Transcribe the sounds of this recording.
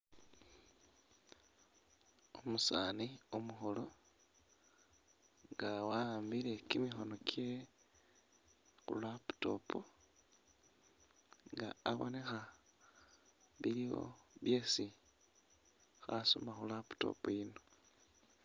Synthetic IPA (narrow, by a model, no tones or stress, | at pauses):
omusaːniomuxolo̞ | ŋɡawambile̞kimixo̞no̞kʰje | xṵlapu̥to̞po | ŋɡa̰ːβo̰ne̞xa | βiɾiβo̞̰βje̞si | xaso̰maxulapu̥to̰pojino̞